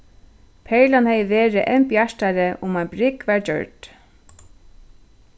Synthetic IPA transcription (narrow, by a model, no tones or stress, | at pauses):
pʰɛlanhɛjveːɾɪʔɛmpjaʂt̪aɾɪʔʊmajnbɾɪkvaɹd͡ʒœ̰ɹt̪